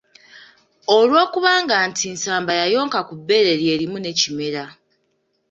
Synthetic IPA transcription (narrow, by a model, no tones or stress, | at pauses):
o̞lwo̞ːkuβaːŋɡantʰinsaːmbajajo̞ːŋkakubːe̞ɾe̞ɾje̞ːɾimune̞cime̞ɾa